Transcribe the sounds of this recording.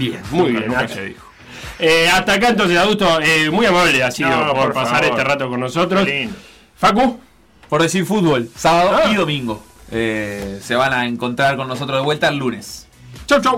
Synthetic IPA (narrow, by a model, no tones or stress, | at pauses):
bjḛnmujβjḛnukaeðḭxo̥ | eaht̪aːk̬aẽnt̪ons̬esaðut̪oemujamaβleasiðooɾpasaɾeerat̪okonːosot̪ɾos | faku | poɾðesiɾfut̪̚βo̞lsaβaðoiðo̞mĩŋɡoeseβanaeŋko̞nt̪ɾaɾkonːos̬ot̪ɾoðewe̞lt̪aelːunes | t͡ʃowt͡ʃow